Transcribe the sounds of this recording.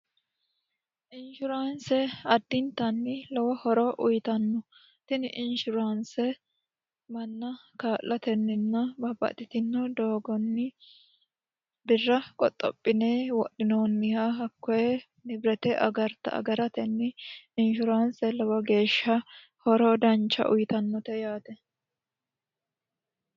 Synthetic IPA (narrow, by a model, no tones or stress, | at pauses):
ʔɪnʃʊɾaːnsɛɐd̪ːɪnt̪ɐnːɪlɔwɐhɔɾɔʔʊjt̪ɐnːɔ | t̪ɪnɪʔɪnʃʊɾaːnsɛ | mɐnːɐkaːlʔɐt̪ɛnːɪnːɐbɐbːɐ̰t̪ɪt̪ɪnːɔd̪oːɡɔnːɪ | bɪrːɐkʼɔt̪ʼːɔ̰pʼːɪneːwɔ̰ɗɪnoːnːɪhaɦɐkːɔjɛ | nɪbɾɛt̪ɛʔɐ̰ɡɐɾt̪ɐ̰ɐ̰ɡɐɾɐt̪ɛnːɪɪnʃʊɾaːnsɛlɔwɐɡe̞ːʃːɐ | hɔɾɔd̪ɐnt͡ʃːɐ̰ʔʊ̰jɪt̪ɐnːɔt̪ɛjaːt̪ɛ